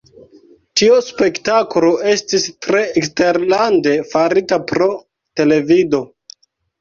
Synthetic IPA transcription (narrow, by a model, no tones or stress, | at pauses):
tiuspe̞ktaklo̞ʔe̞stistɾe̞ːkste̞ɾlande̞faɾitapɾo̞ | te̞le̞vido̞